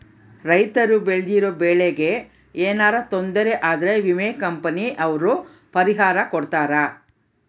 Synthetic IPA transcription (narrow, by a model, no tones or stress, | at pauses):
ɾɐjt̪ɐɾubeɭd̪iɾoːbeːɭeɡe̞ | eːnaːɾɐt̪ond̪ɐɾeʔaːd̪ɐɾe̞ʋimeːkɐmpɐniʔɐʋɐɾu | pɐɾiɦaːɾɐkɔɽt̪aːɾɐ